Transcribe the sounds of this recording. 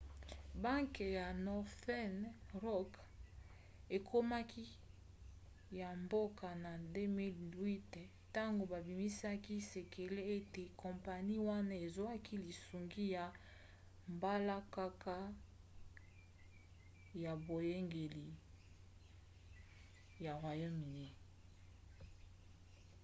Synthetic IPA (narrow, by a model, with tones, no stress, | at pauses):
ba˦ŋke˨ja˨nɔ˨fɛ˦nʁɔ˦k | e˨kʰo˦ma˦kʰi˦ | ja˨mbo˦ka˨na˨de˦mi˦lwi˦t | ta˦ŋɡo˨ba˨bi˨mi˦sa˦ki˦se˨kʰe˨le˦e˦te˨kʰɔ̃˨mpa˨ni˦wa˦na˦e˨zo˦a˦kʰi˦li˨su˨ŋɡi˦ja˨ | mba˦la˦ka˦kʰa˦ | ja˨bo˨je˦ŋɡe˨li˨ | ja˨ʁwa˨ja˦mi˨ne˦